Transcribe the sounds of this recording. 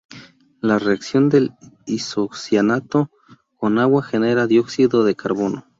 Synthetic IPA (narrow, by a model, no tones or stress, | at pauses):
lareaksjo̞nd̪elisoksjanat̪o | konaɣwaxeneɾaðjoksiðoðekʰaɾβono